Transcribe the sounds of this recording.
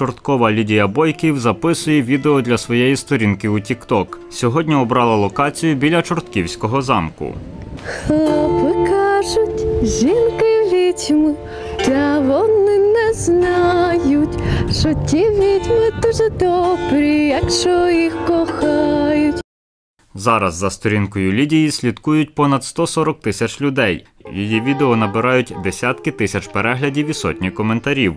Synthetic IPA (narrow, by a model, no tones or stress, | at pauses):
t͡ʃɔrt̪kɔʋɐlʲidʲijɐbɔjkʲiwzɐpɪsʊjɛʋʲid̪eɔd̪lʲɐsʋɔjɛjist̪ɔɾʲinkɪutʲikt̪ɔk | sʲɔɦɔdʲnʲiɔbɾɑlˠɐlˠɔkɑt͡sʲijʊbʲilʲɐt͡ʃɔrt̪kʲiwsʲkɔɦɔzɑ̰mkʊ̰ | xlˠɔpɪkɑʒʊtʲʒʲinkɪʋʲitʲmɪ | d̪lʲɐʋɔnɪnɛznɑjʊtʲʃɔtʲiʋʲitʲmɪd̪uʒɛd̪ɔbɾʲijɐkʃt͡ʃɔjixkɔxɑjʊtʲ | zɑɾɐzːɐst̪ɔɾʲinkɔjʊlʲidʲijisʲlʲid̪kujʊtʲpɔnɐd̪st̪ɔsɔɾɔk̚t̪ɪsʲɐt͡ʃlʲʊd̪ɛj | jḭjiʋʲid̪eɔnɐbɪɾɑjʊtʲd̪esʲat̪kɪt̪ɪsʲɐt͡ʃpeɾɛɦlʲɐdʲiwʲisɔ̰tʲnʲikɔment̪ɐɾʲiw